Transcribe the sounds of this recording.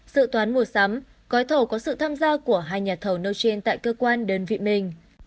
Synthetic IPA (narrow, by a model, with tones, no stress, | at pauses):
sɨ̰˧˨t̪waː˨˦nmu˧˩əsa˨˦m | kɔ˨˦jt̪ʰo˧˩kɔ˨˦sɨ̰˧˨t̪ʰaː˧mzaː˧ku˧˩əɦaː˧jɲaː˨˩t̪ʰə˨˧˩wnə˧wt͡ɕe˧nt̪a̰ː˧˨jkəː˧kwaː˧nɗəː˧nvḭ˧˨mï˨˩ŋ̟